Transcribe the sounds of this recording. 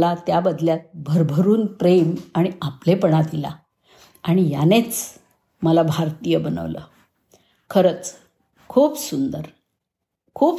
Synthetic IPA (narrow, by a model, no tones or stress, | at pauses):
lat̪jabəd̪ljat̪̚bʱəɾbʱəɾuːnpɾemaɽ̃iaplepəɳat̪ila̰ | aɽ̃ijanet͡s | məlabʱaɾt̪ijəbənə̰ʋlə̰ | kʰəɾət͡s | kʰuːpsund̪əɾ | kʰuːp